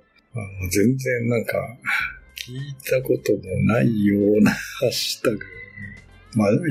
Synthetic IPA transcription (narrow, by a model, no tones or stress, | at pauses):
anozẽ̞nd͡zẽ̞nːãŋka̰kʲʰiːt̪ʰako̞t̪o̞mo̞naijoːnahaɕi̥t̪akɯ | ma